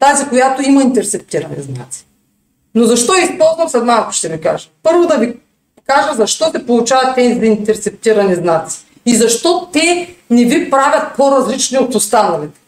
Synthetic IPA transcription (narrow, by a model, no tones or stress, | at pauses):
t̪azikojat̪oimɐint̪ɛɾtsɛp̚t̪iɾɐnɛ̰zna̰t̪si̥ | nozɐʃt̪ɔɛispɔlˠzvɐmsɛd̪mako̥ʃt̪ɛvika̰ʒɐ̥pɤɾvod̪ɐvi | kaʒɐzɐʃt̪ɔsɛpolˠut͡ʃavɐt̪ːɛnizɐint̪ɛɾtsɛp̚t̪iɾɐnɛznat̪si̥ | izɐʃt̪ɔt̪ɛnɛvipɾavʲɐt̪̚pʰoɾɐzlit͡ʃniot̪ost̪anɐlit̪ɛ̥